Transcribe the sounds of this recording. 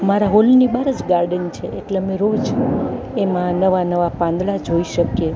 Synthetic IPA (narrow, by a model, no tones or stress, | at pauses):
maɾaɦolnibaɾəd͡ʒɡaɾɖənt͡ʃʰeʔeʈlemẽɾod͡ʒ | emãnəʋanəʋapãnd̪ɭad͡ʒʱoiʃəkje